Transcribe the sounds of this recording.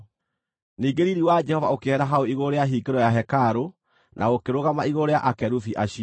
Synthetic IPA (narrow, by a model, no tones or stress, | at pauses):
niːɡeɾiɾiwad͡ʒɛhɔvaokeɛɾaɦaoiɣoɾeaɦiːɡeɾɔjaɦɛkaɾo | nʔa̰ɣokeɾoɣamaiɣoɾeaʔakɛɾuθiʔaɕi